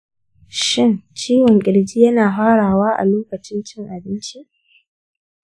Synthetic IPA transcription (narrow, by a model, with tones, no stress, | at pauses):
ʃɪ˦nt͡ʃiː˦wɔ˨ŋkʲʼɪ˨ɽd͡ʒiː˦jɐ˦naː˨ɦaː˦ɽaː˨waː˦ʔa̰˨loː˦kɐ˨t͡ʃɪ˦nt͡ʃɪ˦ŋʔa˨bɪ˦nt͡ʃi˦